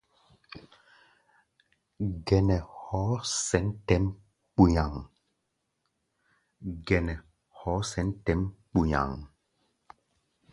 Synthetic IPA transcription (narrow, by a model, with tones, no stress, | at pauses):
ɡɛ˨nɛ˨hɔ˨˦sɛ˨˦n˦tɛ˦m | k͡pu˨ɲa˨ŋ | ɡɛ˨nɛ˨ | hɔ˨˦sɛ˨˦n˦tɛ˦mk͡pu˨ɲa̰˨ŋ